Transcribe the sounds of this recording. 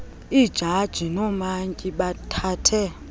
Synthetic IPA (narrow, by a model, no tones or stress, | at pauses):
id̥ʒ̥ʱad̥ʒ̥ʱinɔmaŋkʼiɓatʰaːtʰɛ